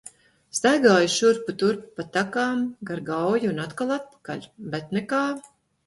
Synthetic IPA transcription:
st̪ajɡaːjuʃuɾput̪uɾppat̪ːakaːmɡaɾɡawjiunat̪kalˠat̪̚pḁka̰lʲbɛt̪nɛkaː

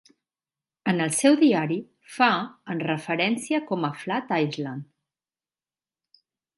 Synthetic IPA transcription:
ənəlˠsɛwðiaɾi | faənrəfəɾɛnsiəkɔməflat̪ajzlan

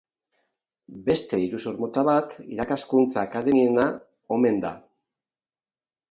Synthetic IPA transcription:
be̞st̪e̞iɾusuɾmot̪aβat̪ḭɾakaskunt͡saːkaðe̞miena | o̞me̞nd̪a

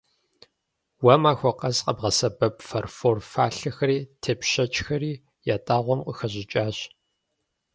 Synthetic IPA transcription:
wɐmaːxʷɔqɐzqʼɐbʁɐsɐbɐpfɐrfoːrfaːɬɐxɐɾiːtʰeːpɕɐt͡ʃʼxɐriː | jaːtʼaːʁʷɔmqʷʼəxɐʑɪt͡ʃʼaːɕ

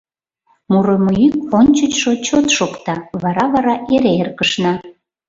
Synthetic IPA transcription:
muɾomoyk̚onʲt͡ɕət͡ɕʃot͡ɕot̪ʃokt̪ɑβɑɾɑβɑɾɑʔeɾeerkəʃnɑ

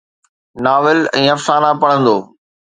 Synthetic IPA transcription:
naːʋɪlɛ̰̃ːɐfsaːnapɐɽ̤ə̃nd̪oː

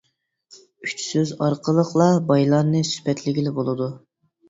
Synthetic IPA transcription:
yt͡ʃʰsøzɑɾqəlˠəqʰlˠɑbɑjlˠɑnːɨsy̥pɛt̪lɪɡʲilɪbolˠɨd̪u

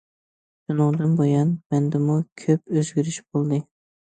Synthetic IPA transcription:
d̪̥unɨŋd̪ɨnbojɑnmɛnd̪ɪmukʲʰøp̚øzɡʲyɾyʃbolˠd̪ɨ

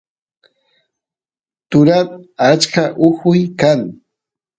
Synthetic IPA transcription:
t̪ʊɾaat͡ʃkaʔʊhʊjkaŋ

